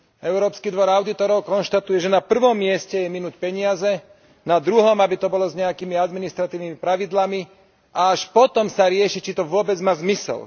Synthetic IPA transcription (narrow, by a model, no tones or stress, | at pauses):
ɛʊɾɔːpskid̪ʋɔɾaʊd̪it̪ɔɾɔʊkɔnʃt̪at̪ujɛʒɛnapr̩ʋɔmːɪɛscɛjɛminucpɛɲɪazɛ | nad̪ɾuɦɔmabit̪ɔbɔlɔzɲɛakimiad̪minist̪ɾat̪iːʊnimipɾaʋid̪lami | ʔaaʃpɔt̪ɔmsaɾɪɛʃit͡ʃit̪ɔʋʊɔbɛd͡zmaːzmisɛ̰l